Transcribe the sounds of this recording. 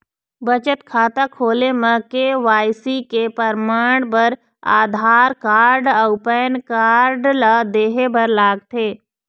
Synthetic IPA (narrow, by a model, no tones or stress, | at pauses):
bət͡ʃət̪kʰaːt̪akʰoːlemə̃keʋaːjsikepəɾmaːɳ̃pəɾ | a̰ːd̪ʱaːɾkaːɾɖəʊpəːənkaːɾɖlad̪eːɦebəɾlaːɡ̚t̪ʰeː